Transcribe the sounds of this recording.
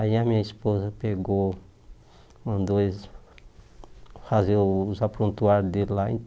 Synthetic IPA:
aiamĩɲɐispozɐpeɡo | mɐ̃d̪oez | fazewzapɾũnt̪uaɾd̪elaḭ̃

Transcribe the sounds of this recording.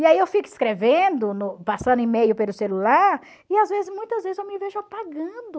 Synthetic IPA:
iaiewfikɪiskɾevẽd̪ʊnʊpasɐ̃nd̪ʊɪ̃mejʊpelʊselulaɾ | ɪazvezɪzmũj̃t̪ɐzvezɪzewmɪveʒʊapaɡɐ̃d̪ʊ

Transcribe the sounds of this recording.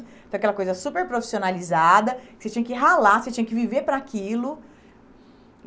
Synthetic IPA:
fẽjɐkɛlɐkojzɐsupeɾpɾofi̥sionalizad̪ɐkɪ̥set͡ʃiɲɐkɪɦalaset͡ʃĩɲɐkɪviveɾpɾakilʊ

